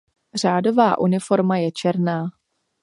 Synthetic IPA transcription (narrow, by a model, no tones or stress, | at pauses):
r̝aːdo̞vaːʔunɪfo̞ɾmajɛt͡ʃɛɾnaː